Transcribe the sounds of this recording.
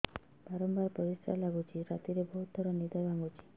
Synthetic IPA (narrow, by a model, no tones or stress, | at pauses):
b̥aɾɔmbaɾpɔɾisɾa̰laɡut͡ʃʰiɾat̪iɾeboɦut̪̚d̪ʱɔɾɔnid̪abaŋɡut͡ʃʰi̥